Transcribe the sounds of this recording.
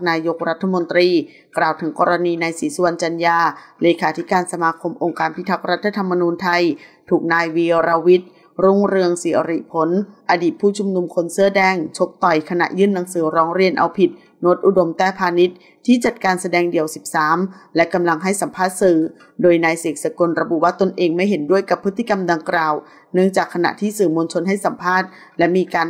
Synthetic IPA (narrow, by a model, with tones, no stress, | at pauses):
naː˧jo˦˥k̚ɾa˦˥t̪ʰːa˧mo˧nt̪ɾiː˧ | klaː˨˩wt̪ʰɯ˩˦ŋkɔː˧ɾa˧niː˧naː˧jsiː˩˦su˧a˧nt͡ɕa˧njaː˧leː˧kʰaː˩˦t̪ʰi˦˥kaː˧nsa˧maː˧kʰo˧mʔo˧ŋkaː˧npʰi˦˥t̪ʰa˦˥k̚ɾa˦˥t̪ʰːa˧t̪ʰa˧mːa˧nuː˧nt̪ʰa˧jt̪ʰuː˨˩k̚naː˧jwiː˧o˧ɾa˧wi˦˥t̪̚ | ɾu˥˩ŋɾɯ˧əŋsi˨˦ʔa̰˧ɾi˧˩pʰo˩˦nʔa˧diː˨˩t̪̚pʰuː˥˩t͡ɕʰu˧mnu˧mkʰo˧nsɯ˥˩ədɛː˧˩ŋt͡ɕʰo˦˥p̚t̪ɔ˨˩jkʰa˧na̰˨˩ʔjɯ˥˩nːa˨˩˦ŋsɯː˩˦ɾɔː˦˥ŋɾi˧ənʔa̰˧wpʰi˨˩t̪̚ | noː˦˥t̪̚ʔu˨˩do˧mt̪ɛː˥˩pʰaː˧ni˦˥t̪̚ʰːiː˥˩t͡ɕa˨˩t̪̚kaː˧nsa˧dɛː˧ŋdi˨˩əwsi˨˩p̚saː˩˦mlɛ˦˥ka˧mla˧ŋɦa˥˩jsa˨˩˦mpʰaː˥˩t̪̚sɯː˨˩ | doː˧jnaː˧jseː˨˦k̚sa˧ko˧nɾa˧bu˨˩waː˥˩t̪o˧nʔeː˧ŋma˥˩jɦe˩˦ndu˥˩əjka˨˩pʰːɯ˦˥t̪ʰːi˥˩ka˧mda˧ŋklaː˨˩w | nɯ˥˩əŋt͡ɕaː˨˩kʰːa˧na̰˨˩ʔt̪ʰiː˥˩sɯː˨˩mo˧nt͡ɕʰo˧nɦa˥˩jsa˨˩˦mpʰaː˥˩t̪̚ | lɛ˦˥miː˧kaː˧n